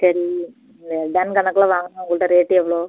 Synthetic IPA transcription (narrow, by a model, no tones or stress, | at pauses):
sɐɾi | nd̪ɐɖɐnkɐɳɐkːɐlaːʋaːŋɡɐnaʊŋɡɐɭɐʈːɐɾeːʈːɛʋːɐɭoː